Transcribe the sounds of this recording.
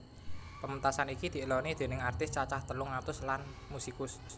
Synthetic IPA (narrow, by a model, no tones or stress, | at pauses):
pəmənt̪asanikid̪̥i̤lɔnid̪̥e̤nɪŋart̪ɪst͡ʃat͡ʃaht̪əlʊŋːat̪ʊslanmusikʊs